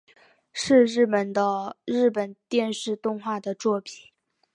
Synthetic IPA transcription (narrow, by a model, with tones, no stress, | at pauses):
ʂɻ̩˥˧ɻɻ̩˥˩pə˨˩nd̪ə˧ɻɻ̩˥˩pə˨˩nt̪jɛ˥˧nʂɻ̩˥˧t̪ʊ˥˧ŋxwa˥˩d̪ə˩t͡swɔ˥˩pi˨˩˦